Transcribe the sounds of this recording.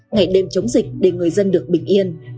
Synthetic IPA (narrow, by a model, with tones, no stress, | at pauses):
ŋa˧˩jɗe˧mt͡ɕə˨˦wŋ͡mzï˨˩k̟̚ɗe˧˩ŋɨ˨˩əjzə˧nɗɨ˨˩ək̚ɓï˧˩ŋ̟ʔi˧ən